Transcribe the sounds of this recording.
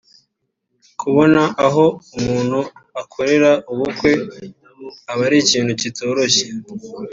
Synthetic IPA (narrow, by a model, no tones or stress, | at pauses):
kʰuβo̞naʔaɦo̞umuːn̥huakʰo̞ɾe̞ɾaʔuβukwe̞ | aβaɾiciːn̤̥hucitʰo̞ːɾo̞çe